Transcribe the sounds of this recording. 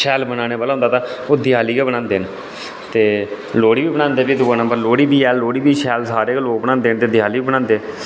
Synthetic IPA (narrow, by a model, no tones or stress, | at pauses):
ʃɛːlbənãːneːbaːlaːɦʊ̃ːnd̪aːt̪ãːoːd̪ɪjaːliːkɛːbəɽãːnd̪eːn | t̪eː | loːɽiːbiːbəɽãːnd̪eːbiːd̪ʊːaːnəmbəɾloːɽiːbiːɛːloːɽiːbiːʃɛːlsaːɾeːkːloːk̚bəñãːnd̪eːnt̪eːd̪ɪjaːliːbiːbəɽãːnd̪eː